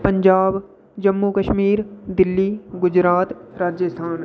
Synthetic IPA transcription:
pə̃ɲd͡ʒaːb | d͡ʒɐmːukəʃmiːɾd̪ɪlːiːɡʊd͡ʒɾaːt̪ɾaːd͡ʒjəst̪ʰaːn

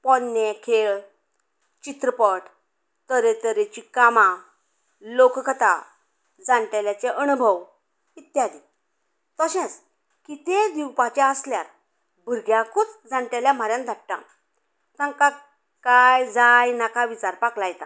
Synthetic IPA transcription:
pɔnːekʰeɭ | t͡ɕit̪ɾəpəʈ | t̪əɾet̪əɾet͡ɕikamã | lokkʰət̪a̰ | d͡zãɳʈeljat͡ɕeʔənubʱəw | it̪jad̪i | t̪əɕɛ̃t͡s | kit̪ed̪iwpat͡ɕaəsljaɾ | bʱəɾɡjãkʰut͡sd͡zãɳʈaljam̤aɾjãnd̪ʱaʈʈã̰ | t̪ãŋka | kajd͡zajnakaʋit͡ɕaɾpaklajɛt̪ã̰

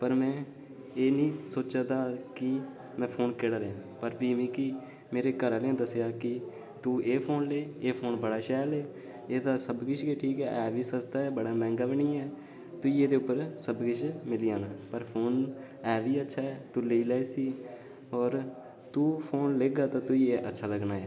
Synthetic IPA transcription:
pəɾmɛ̃ː | eːnĩːsoːt͡ʃaːd̪aːkɪ | mɛ̃ːpʰoːnkɪːɽaːɾeãːpəɾpiːmĩːkɪ | meːɾeːkəɾaːleãːd̪əsejaːkɪ | t̪uːʔeːpʰoːnleːeːpʰoːnbəɽaːʃɛːlɛː | eːd̪aːsəbɡɪʃɡeːʈʰiːkɛːʔɛːʋiːsəst̪aːɛːbəɽaːmɛ̃ːŋɡaːbɪniːɛː | t̪ʊiːeːd̪eːʊpːəɾsəbɡɪʃmɪliːaːnãːpəɾpʰoːn | ɛːʋiːətːʃʰaːɛːt̪uːleiːlɛːsiː | ɔːɾ | t̪uːpʰoːnleːɡaːt̪ãːt̪ʊiːeːʔə̰tːʃʰaːləɡnaːɛː

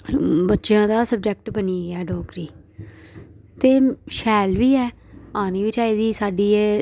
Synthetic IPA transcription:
bətːʃjãːd̪aːsəb̚d͡ʒɛk̚ʈbəniːɛːɖɔːkɾiː | t̪eːʃɛːlʋiːɛː | aːniːʋɪt͡ʃaːiːd̪iːsaːɖiːeː

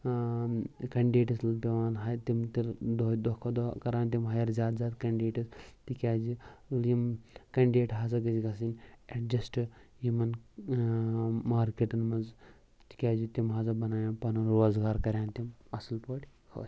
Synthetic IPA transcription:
kɐɳɖɖeːʈɐslpʲeʋaːnɦaːjt̪imt̪iɾd̪od̪okʰɐd̪kɐɾaːnt̪̬imɦɐjɐɾzʲaːd̪zʲaːd̪kɐɳɖeːʈɐst̪ikʲaːd͡ʒiljimkɐɳɖɖeːʈɦaːzɐɡɐd͡ʒiɡɐsineʈd͡ʒɐsʈɨjimɐn | maːɾkeʈɐnmɐnz | t̪i̥kʲaːd͡ʒit̪imɦazɐbɐnaːjaːpɐnɐɾoːzɡaːɾkɐɾʲaːnt̪imɐslpoːʈʲkʰo̰ːsʲ

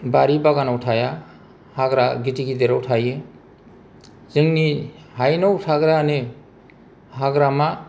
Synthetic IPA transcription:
baɾibaɡanawtʰaja | haɡɾaɡitiɡideɾawtʰaje | zɯŋni | hajnawtʰaɡɾane | haɡɾama

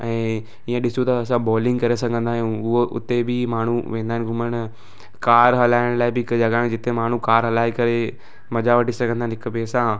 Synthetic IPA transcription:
ɛ̃ː | iãɗɪsũt̪ɐːsãbɔːlɪ̃ŋɡkɐɾesɐɡʱə̃nd̪ʱaːɦj̃ʊɦoʔʊ̰t̪ebɪmaːɳ̤uʋẽːnd̪aːɪnɡʱʊməɽ̃ | kaːɾɦɐlaːɪɽ̃laːɪbɪkd͡ʒɐɡãd͡ʑɪt̪emaːɳ̤ũkaːɾɦɐlaːikɐɾe | mɐd͡ʑaʋɐʈisɐɡə̃nd̪aɦɪnɦɪkpeːsã

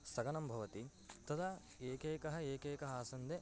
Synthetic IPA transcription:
sɐɡɐnɐmbʱɐʋɐt̪i | t̪ɐd̪ɐ | eːkeːkɐɦɐ̆eːkeːkɐɦɐaːsɐnd̪e

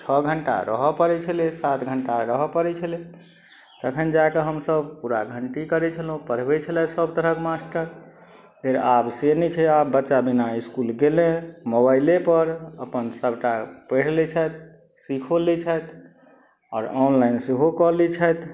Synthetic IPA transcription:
t͡ʃʰəɡʱəɳʈa̰ɾə̰ɦɔpəɾɛt͡ʃʰəlesat̪ɡʱəɳʈaɾəɦɔpəɾɛt͡ʃʰəle | t̪əkʰənd͡ʒakeɦəmsəbpuɾaɡʱəɳʈikəɾɛt͡ʃʰəlɦũpəɾ̤bet͡ʃʰəlɛsəbʱt̪əɾəkmasʈəɾ | d̪ʱeɾabsenit͡ʃʰɛabːətːʃabinaiskulɡelẽmobaɪlepəɾəpənsəbʱʈapəɽ̤lɛt͡ʃʰət̪̚ | sikʰolit͡ʃʰəjt̪ | ɔ̰ːɾɔnlainseɦokɔlit͡ʃʰət̪

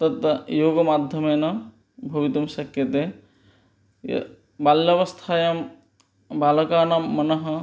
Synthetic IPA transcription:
t̪ɐt̪joːɡɐmad̪ʱjɐmenɐ | bʱɐbit̪umsɐkʰjɐt̪e | baljɐbɐst̪ʰaːjɐm | balɐkaːnɐmːɐnɐɦɐ

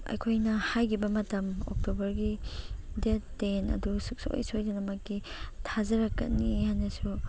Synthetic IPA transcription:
ɐ̰jkʰojnɐhajɡibɐmɐtɐmo̰k̚tobɐɾɡidettenɐ̰dusuk̚so̰o̰jsojdanɐmɐkːi | tʰazɐɾɐkːɐ̰tnihajnɐsu

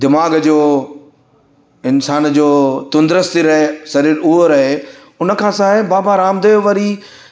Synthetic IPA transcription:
d̪ɪmaːɡd͡ʑoː | ɪnsaːnd͡ʑoːt̪ʊ̃nd̪ɾəst̪iɾɐɦesɐɾiːɾʊɦoɾɐɦe | ʊnə̆kʰãːsaːɪbaːbaɾaːmd̪eːʋɐɾi

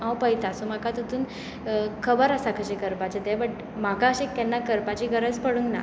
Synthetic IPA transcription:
ãwpəjt̪asumakat̪ət̪uːn | kʰəbəɾəsakʰəɕekəɾpat͡ɕet̪ɛbəʈ | makaəɕẽkɛnːakəɾpat͡ɕiːɡʱəɾəd͡zpəɽuŋɡna̰

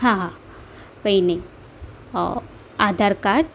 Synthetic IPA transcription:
ɦãɦã | koːinɐĩ | ɔ̰ | aːd̪ʱaːɾkaʈ

